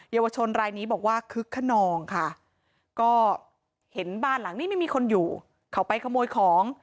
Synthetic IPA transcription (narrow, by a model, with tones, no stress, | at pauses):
jaː˧wa˧t͡ɕʰo˧nɾaː˧jniː˦˥bɔː˨˩k̚waː˥˩kʰɯ˦˥kʰːa˥˩nɔː˧ŋkʰa˥˩ | kɔː˥˩ | he˩˦nbaː˥˩nla˨˩˦ŋniː˥˩ma˥˩jmiː˧kʰo˧njuː˨˩ | kʰa˦˩wpa˧jkʰa˧moː˧jkʰɔː˩˦ŋ